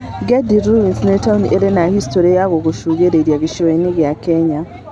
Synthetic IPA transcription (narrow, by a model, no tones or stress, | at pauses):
ɡediɾuwinsnetaunʔeɾenahistoɾajaɣokuʃuɣeɾeɾjaɡiʃiweniɣjakeɲa